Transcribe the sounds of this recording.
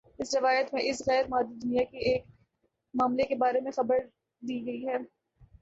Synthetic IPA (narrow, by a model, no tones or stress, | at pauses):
ɪsɾɪʋaːjət̪mẽʔɪsɣɛːɾmaːd̪id̪ʊnijakieːk | maːmlekebaːɾemẽxɐbəɾ | d̪iːɡɐiɦɛː